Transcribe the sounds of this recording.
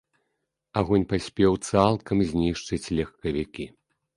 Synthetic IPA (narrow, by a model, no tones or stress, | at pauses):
aɣɔnʲpasʲpʲɛwt̪salˠkʰɐmzʲnʲiʂt͡ʂɨt͡sʲlʲɐxkɐvʲikʲi